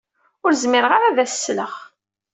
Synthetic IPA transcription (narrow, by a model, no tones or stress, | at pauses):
ʊɾzmɪɾʁaɾævæssːləχ